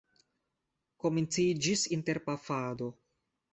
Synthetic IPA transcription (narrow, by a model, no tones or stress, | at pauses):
ko̞mint͡sid͡ʒisinte̞ɾpafado̞